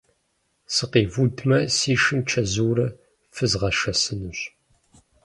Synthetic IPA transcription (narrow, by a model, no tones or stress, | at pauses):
səqivud̪mæsiʃənt͡ʃːæzuɾ | fəzʁaʃæsənəʃ